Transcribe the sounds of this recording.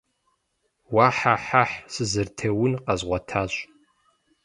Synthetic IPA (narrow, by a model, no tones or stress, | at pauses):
waːħaħaħsɨzɨrtʰɐwʊnqɐzʁʷɔtʰaːɕʼ